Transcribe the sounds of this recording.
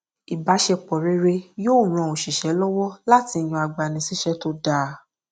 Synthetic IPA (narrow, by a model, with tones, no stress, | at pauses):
i˨ba˨˦ʃɛ˧k͡pɔ˨ɾe˧ɾe˧joː˦˨ɾ̃ã˨˧˨o˨ʃi˨ʃɛ˨˦lɔ˦wɔ˦la˦ti˧˨j̃ũ˧a˨ɡ͡ba˨nĩ˧si˦ʃɛ˦to˦da˦˨